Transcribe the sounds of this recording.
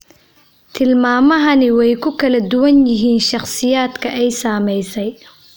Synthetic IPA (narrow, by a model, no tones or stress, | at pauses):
t̪ʰɪlmaːmɐɦɐnɪwɛjkʰʊkʰɐlɐd̪ʊwɐnjɪɦiːnʃɑχsɪjaːd̪kʰɐʔɛjsaːmɛjsɛj